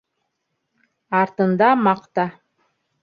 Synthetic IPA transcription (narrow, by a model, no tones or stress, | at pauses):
ɑɾt̪ɤ̆nd̪ɑmɑqt̪ɑ